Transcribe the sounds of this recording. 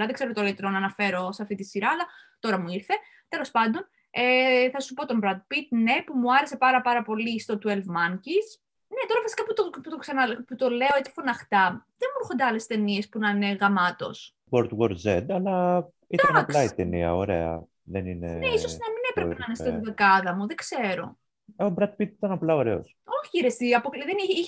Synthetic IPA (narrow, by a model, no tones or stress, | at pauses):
lɐðeɡze̞ɾot̪olit̪ɾonɐnɐfe̞ɾo̞seɐft̪it̪isiɾɐɐlɐt̪o̞ɾɐmuiɾθe̞ | t̪e̞lo̞spɐnd̪o̞n | eθɐsupo̞t̪o̞mbɾɐd̪̚pit̪̚ne̞pumuɐɾe̞se̞pɐɾɐpɐɾɐpo̞list̪o̞t̪uelvmɐŋcis | ne̞t̪o̞ɾɐfisi̥kɐput̪oput̪oksɐnɐput̪ole̞oet͡si̥fonɐxt̪ɐðenmuɾuxond̪eɐle̞st̪e̞nie̞spunɐineɣɐmɐt̪o̞̰s | poɾt̪woɾzed̪ɐlɐ | id̪ɐnɐkpɐit̪eniɐ̰oɾḛɐ̰ | ðeninḛneisosnɐminepɾepeɐnest̪ot̪iðekɐðɐmuðeɡse̞ɾo̞̰ | obɾɐd̪̚pit̪it̪ɐnɐplɐo̞ɾe̞o̰s | o̞çiiɾest̪iɐpoklðeni